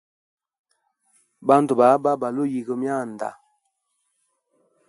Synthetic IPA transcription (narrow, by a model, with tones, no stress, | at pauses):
ba˦n˦tu˨ba˨˦ba˦ba˨lo˦ji˨ɡə˨mja˦˨n˨da̰˨